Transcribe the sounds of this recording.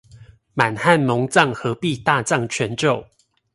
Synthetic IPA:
ma˨˩nha˥˨nmɔ˧˦ŋt͡sɑ˥˨ŋxɤ˨˧˦pi˥˨t̪a˥˨t͡sɑ˥˨ŋt͡ɕʰɥɛ˨˧˦nʈ͡ʂo˥˨ʊ

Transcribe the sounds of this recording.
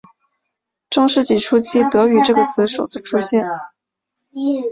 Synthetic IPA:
ʈ͡ʂɤ˥˧ŋʂɻ̩˥˩t͡ɕi˥˩ʈ͡ʂʰu˥t͡ɕʰi˥t̪ɤ˧˥y˨˩ʈ͡ʂɤ˥˩ɡə˩t͡sʰɹ̩˧˥ʂo˨˩ʊt͡sɹ̩˥˩ʈ͡ʂʰu˥ɕjɛ˥˩n

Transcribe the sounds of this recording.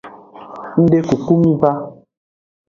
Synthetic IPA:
n̩˦de˦ku˨ku˦mi˦ba˦

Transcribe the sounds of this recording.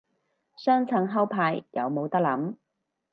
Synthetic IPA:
sœː˥ŋt͡sʰɐ˧ŋɦɐ˥wpʰaː˧jjɐ̰˨˧wmo˨˧wt̪ɐ˥k̚lɐ˨˥m

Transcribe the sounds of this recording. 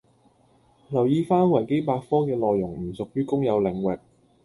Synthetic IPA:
lɐ˨˩wjiː˨˧faː˥nwɐ˨˩jke˥jpaː˧kfɔː˥kɛː˧lɔː˨˧jːʊ˨˩ŋm̩˨˩sʊ˨k̚jyː˥kʊ˥ŋjɐ˨˧wlɪ˨ŋwɪ˨k̚

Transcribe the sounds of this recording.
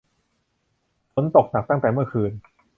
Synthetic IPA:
fʰo˨˦˥nt̪o˨˩k̚na˨˩t̪a˥˩ŋt̪ɛː˨˩mɯ˥˩ɐkʰɯː˧n

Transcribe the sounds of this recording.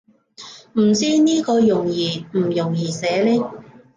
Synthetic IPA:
m̩˨˩t͡siː˥niː˥kɔː˧jʊ˨˩ŋjiː˨˩m̩˨˩jʊ˨˩ŋjiː˨˩sɛː˨˧lɛː˥

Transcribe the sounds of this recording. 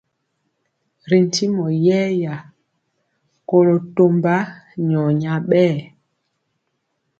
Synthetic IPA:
ɾi˨n˨ti˦mɔ˨jɛ˦ja˨ | ko˦lo˨to˦mba˦ɲɔ˨ɲa˨ɓɛː˦˨

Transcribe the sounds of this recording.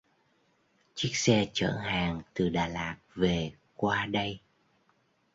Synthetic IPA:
t͡ɕi˦˥k̚sɛ˧t͡ɕə̰ː˧˩˨nhaː˨˩ŋt̪ɨ˨˩ɗaː˨˩laː˨˩t̚ve˨˩ | kwaː˧ɗə˧j

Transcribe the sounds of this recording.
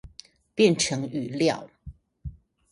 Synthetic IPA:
pjɛ˥˨nʈ͡ʂʰɤ˨˧˥ŋy˨˩ljɑ̰˥˨ʊ

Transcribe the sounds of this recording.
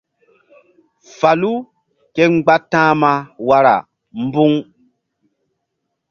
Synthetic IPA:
fa˨lu˦ | kɛ˦ŋ͡mɡ͡ba˦tːãː˦ma˨wa˨ɾa̰˨ | m˦bu˦ŋ

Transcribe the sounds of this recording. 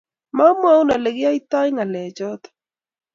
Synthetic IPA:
ma˦m˦a˦u˦na˨le˨ɡa˦i˦t̪a˦jŋa˨lɛ˨d͡ʒɔ˦t̪ḁ

